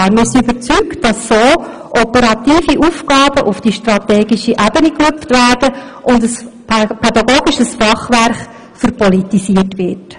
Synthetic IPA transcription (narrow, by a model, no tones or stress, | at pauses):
ɾmɪɾsiybəɾt͡syktd̥ɑsːoː | ʔɔpəɾɑtiːfiʔufkɑːb̥əʔufd̥iʃtrɑtɛːɡiʃiʔæbənikløftʋæːrd̥əʔʊndəs | pʰɛdɑɡoːɡiʃəsfɑχʋæɾχ | fəɾpɔlitisiərtʋɪt